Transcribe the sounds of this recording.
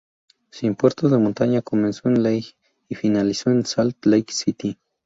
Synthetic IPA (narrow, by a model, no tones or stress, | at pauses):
simpweɾt̪ozðemont̪aɲakomensoenlejk | ifinalisoensalt̪lejksit̪i